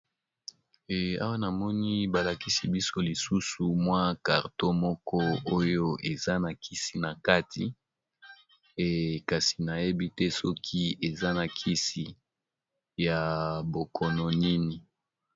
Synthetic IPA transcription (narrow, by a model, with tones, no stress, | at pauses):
a˦wa˦na˨mɔ˦ni˦ba˨la˨ki˦si˦bi˦so˦li˨su˦su˨mwa˦ka˨ʁto˦mɔ˦kɔ˦o˦jo˦ʔe˨za˦na˨kʰi˦si˨na˨ka˦tʰi˨ | ka˨si˨na˨je˦bi˦tɛ˦sɔ˦kʰi˦e˨za˦na˨kʰi˦si˨ | ja˨bo˨kʰɔ˨nɔ˨ni˦ni˨